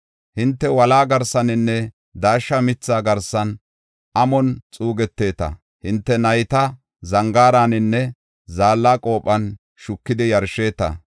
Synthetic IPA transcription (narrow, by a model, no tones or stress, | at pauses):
hɪnt̪ːɛwɐlaːɡɐɾsɐnɪnːɛ | d̪aːʃːɐmɪt͡sːaːɡɐɾsɐn | ʔɐmɔnt͡sʼuːɡɛt̪ːe̞ːt̪ɐ̰ | hɪnt̪ːɛnɐjt̪ɐ | zɐŋɡaːɾaːnɪnːɛ | zaːlːaːkʼo̞ːpʼːɐn | ʃʊkːɪd̪ɪjɐɾʃe̞ːt̪ɐ̰